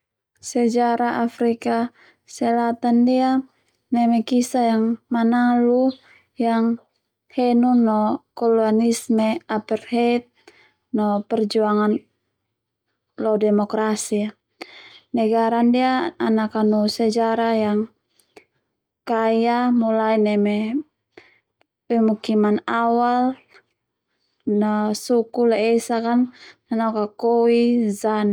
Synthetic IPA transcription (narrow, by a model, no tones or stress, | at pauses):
sɛd͡ʒaɾaʔafɾika | sɛlat̪andia | nɛmɛkisajaŋmanalu | jaŋ | hɛnunɔkɔluanismɛapɛrhɛt̪̚ | nɔpɛrd͡ʒuaŋan | lɔdɛmɔkɾasia | nɛɡaɾandiaanakanusɛd͡ʒaɾajaŋ | kajamulainɛmɛ | wɛmukimanawal | nasukulɛɛsakanːanɔkakɔwizan